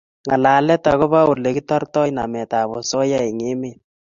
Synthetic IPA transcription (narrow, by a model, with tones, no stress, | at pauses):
ŋa˨la˨lɛ˦ta˨ɣɔ˦βa˦o˨le˨ki˦tɔ˦rtɔ˦jna˨mɛ˨ta˨βɔ˨sɔ˦ja˦i˨ŋe˦me˦˨